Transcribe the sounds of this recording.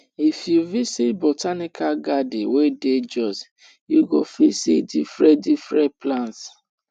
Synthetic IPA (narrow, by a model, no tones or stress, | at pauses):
ifjuvisitbotanikaɡadiweded͡ʒɔs | juɡofisitdifɹɛ̃difɾɛ̃plãnts